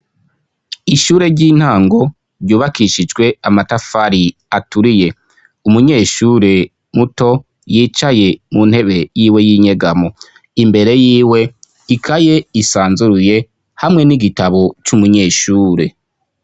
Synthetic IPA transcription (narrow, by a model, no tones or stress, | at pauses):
iʃuːɾe̞ɾɟiːn̥haːŋɡo̞ | ɾɟuːβakʰiʃid͡ʒɡwe̞amatafaɾi | atuɾije̞ | umuɲe̞ːʃuːɾe̞ | muto̞ | jiːt͡ʃaje̞mun̥he̞βe̞jiːwe̞jiːɲe̞ɡamo̞ | imbe̞ɾe̞jiːwe̞ | ikʰaje̞isaːnzuɾuje̞ | hamŋe̞niɡitaβo̞t͡ʃumuɲe̞ːʃuːɾe̞